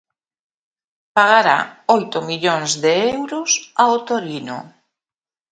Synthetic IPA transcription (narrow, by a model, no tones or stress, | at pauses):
paɣ̞aɾa̰ojt̪omiʎoŋzðeɛewɾʊsaot̪oɾino̰